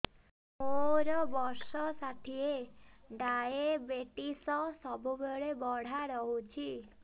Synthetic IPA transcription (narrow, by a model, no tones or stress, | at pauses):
moɾɔbɔɾsɔsaʈ̪ʰieɖaebeʈisɔsɔbʱubeɭebɔɽ̤aɾɔɦut͡ʃʰi